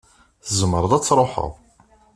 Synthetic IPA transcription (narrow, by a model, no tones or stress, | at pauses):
θəzməɾˤəðˤæt͡sːɾˤoħə̰ðˤ